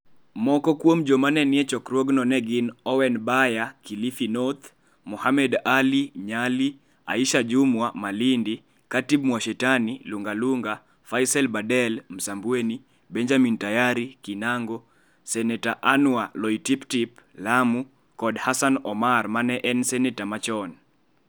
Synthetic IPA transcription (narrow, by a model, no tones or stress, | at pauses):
mɔkɔkwomd͡ʒomanɛnɪɛt͡ʃɔkɾwɔɡnɔnɛɡinɔwɛnbajakilifinɔt̪ | mɔhamɛdaliɲali | a̰iʃad͡ʒumwamalindi | katibmwaʃɛtaniluŋɡaluŋɡa | fajsɛlbadɛlm̩sambuweni | bɛɲd͡ʒamintajaɾikinaŋɡɔ | sɛnɛtaʔanwalɔitiptiplamu | kɔdhasanɔmarmanɛʔɛnsɛnɛtamat͡ʃɔn